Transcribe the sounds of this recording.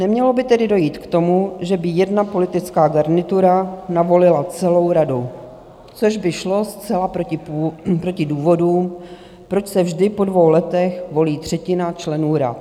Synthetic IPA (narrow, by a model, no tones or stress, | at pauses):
nɛmɲɛlo̞bɪt̪ɛdɪdo̞jiːt̪kt̪o̞muʒɛbɪjɛdnapo̞lɪt̪ɪt͡skaːɡaɾnɪt̪uɾanavo̞lɪlat͡sɛlo̞wɾadu | t͡so̞ʒbɪʃlo̞st͡sɛlapɾocɪpːpɾo̞cɪduːvo̞duːm | pɾo̞t͡ʃsɛvʒdɪpo̞dvo̞wlɛt̪ɛxvo̞liːt̪r̝̥ɛcɪnat͡ʃlɛnuːɾa̰t̪̚